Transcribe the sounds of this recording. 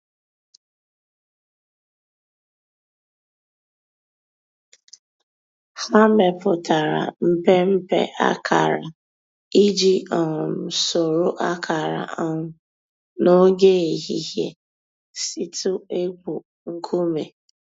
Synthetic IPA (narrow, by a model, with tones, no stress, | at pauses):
ha˦me˨pʊ˨ta˨ɾa̰˨m̩˦pe˦m̩˦pḛ˦ʔa̰˦kʰa̰˨ɾa̰˨ | i˦d͡ʒi˦ɔ˨m̩˨so˨ɾo˦ʔa˦kʰa˨ɾa̰˨ʔa˦ŋʊ˨ | no˦ɡe˦e˨ɦi˨ɦje˦ | si˦tʰʊ˦e˦ku˨ | ŋ̩˦kʰu˦me˨